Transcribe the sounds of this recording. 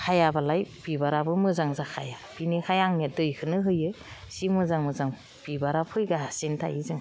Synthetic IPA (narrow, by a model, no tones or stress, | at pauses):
kʰajabalajbibaɾabɯmɯzaŋzakʰajab̥inikʰajaŋnedɯjkʰɯnɯɦɯjɯj | simɯzaŋmɯzaŋ | b̥ibaɾapʰɯjɡasintʰa̰ʔizɯŋ